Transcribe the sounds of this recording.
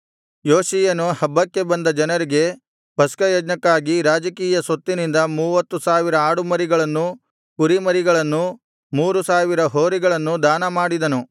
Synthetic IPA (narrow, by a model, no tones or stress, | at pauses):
joːʃijɐnuhɐbːɐkːe̞bɐnd̪ɐd͡ʒɐnɐɾiɡe̞ | pɐskɐjɐd͡ʒnɐkːaːɡiɾaːd͡ʒɐkiːjɐsot̪ːinind̪ɐmuːʋɐt̪ːusaːʋiɾɐaːɽumɐɾiɡɐɭɐnːu | kuɾimɐɾiɡɐɭɐnːu | muːɾusaːʋiɾɐɦoːɾiɡɐɭɐnːud̪aːnɐmaːɽid̪ɐnu